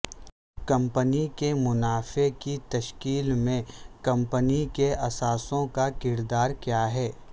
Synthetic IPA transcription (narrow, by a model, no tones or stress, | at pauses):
kɐ̃mpənikemʊnaːfekit̪ɐʃkiːlmẽkɐ̃mpənikeɐsaːsõkakɪɾd̪aːɾkjaːɦɛː